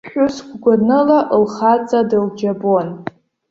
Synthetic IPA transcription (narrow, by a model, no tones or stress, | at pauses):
χᶣʊsɡʷɡʷanɨlaʔlχat͡sʼadɨld͡ʒabon